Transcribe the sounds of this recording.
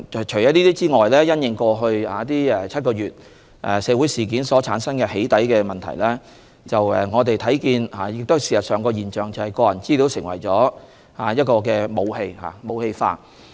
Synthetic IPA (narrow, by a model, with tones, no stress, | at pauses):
t͡ʃʰɵ˨˩jɔː˨˥niː˥t̪iː˥t͡siː˥ŋɔː˨jlɛː˥jɐ˥njɪ˨˧ŋkɔː˧ɦɵ˧ɥhaː˨˥t̪iː˥ɛ˨˩t͡sʰɐ˥t̚kɔː˧jyː˨t̚ | ʔɛ̰˨˩sɛː˨˧wu˨˥jsiː˨˩kiː˨˥nsɔː˨˥t͡sʰaː˨˥nsɐ˥nkɛː˧he˨˥jt̪ɐ˨˥jkɛː˧mɐ˨nt̪ʰɐ̰˨˩jlɛː˥ | t͡sɐ˨wɛ̰˨˩ŋɔː˨˧t̪e˨jt̪ʰɐ˨˥jkiː˧nhaː˨jɪ˨k̚t̪o˥hsiː˨˩sɐ˨t̚sœː˨˩ŋkɔː˧jiː˨nt͡ʃœː˨ŋt͡sɐ˨whɐ˨jkɔː˧jɐ˨˩nt͡siː˥li˧˥wsɪ˨˩ŋwɐ̰˨˩jt͡sɔː˨˥ | haː˨˦jɐ˥t̚kɔː˧kɛː˧mo˨˧whe˧jha̰ː˨˩mo˨˧whe˧jfa̰ː˧˥t̚